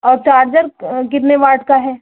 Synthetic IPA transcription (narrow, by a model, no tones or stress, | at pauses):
ɔːɾt͡ʃaːɾd͡ʒəɾkɪt̪neʋaːʈkaɦɛː